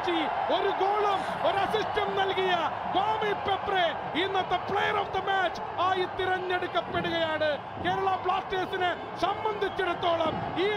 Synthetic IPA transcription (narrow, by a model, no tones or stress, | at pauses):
t͡ɕːio̞ɾuɡoːɭɐmo̞ɾuɐsisʈɐmnɐlkijɐ | ɡaːmipepːre | inːɐt̪ːɐpɭejɐrɐfd̪ɐmaːt͡ɕː | aːjit̪iɾɐɲːeɽukːɐpːe̞ɽuɣɐjaːɳɨ | ke̞ːɾɐɭɐpɭaːsʈeːsinɨ | sɐmbɐnd̪ʱit͡ɕːuɽɐt̪ːo̞ːɭɐmiː